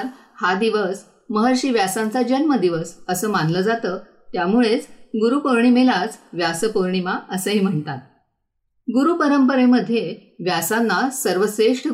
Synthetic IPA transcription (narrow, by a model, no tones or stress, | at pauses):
ɾ | had̪iʋəs | məɦəɾɕiːʋjasãnt͡sad͡ʑənməd̪iʋəsəsəːmanləːd͡zat̪əː | t̪jamuɭet͡sɡuɾupəɾɳ̃imelat͡sʋjasəpəɾɳimaəsəɦim̤əɳt̪at̪̚ | ɡuɾuːpəɾəmpəɾeməd̪ʱːjeʋjasanːasəɾʋəseʂʈə